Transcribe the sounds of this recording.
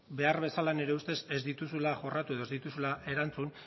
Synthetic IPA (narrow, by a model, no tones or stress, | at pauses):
be̞arβe̞salane̞ɾe̞ust̪e̞se̞zd̪it̪usulaʝo̞rat̪ue̞ð̞o̞ezd̪it̪usulaʔe̞ɾant͡sun